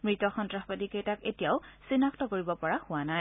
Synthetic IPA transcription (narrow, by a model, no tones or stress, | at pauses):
mɹitɔxɔntɹaxpatikejtaketijaʊsinaktɔkoɹibɔpɔɹahʊwanaj